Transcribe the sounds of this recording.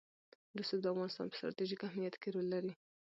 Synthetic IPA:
d̪usobd̪əafɣɑnɪst̪ɑ̰npə̥st̪ɾɑ̰t̪iʒikahmijat̪keɾolːaɾi

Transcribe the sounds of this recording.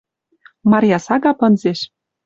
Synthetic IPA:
mɑɾʲjɑsɑɣɑpɤ̆nzeʃ

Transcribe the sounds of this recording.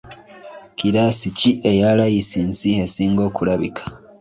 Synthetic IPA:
kiɾasiciʔe̞jalajisinsie̞siːŋɡo̞ːkulaβikḁ

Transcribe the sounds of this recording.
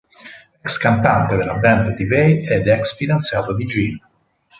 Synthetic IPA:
ɛkskant̪ant̪ed̪elabɛnd̪t̪ivejɛd̪ɛksfid̪ant̪sjaːt̪od̪id͡ʒin

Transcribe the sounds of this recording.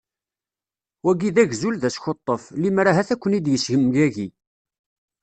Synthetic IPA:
wæɡiðæʝzulðæsçot̪ˤːəflimɾaɦæθækʷːənid̪jəsʝəmɡæʝi

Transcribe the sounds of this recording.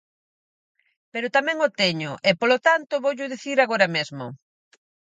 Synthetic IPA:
peɾʊt̪amɛ̃ŋot̪eɲʊʔepolot̪ant̪ʊβoʎʊðiθiɾaɣoɾɐmezmʊ̰

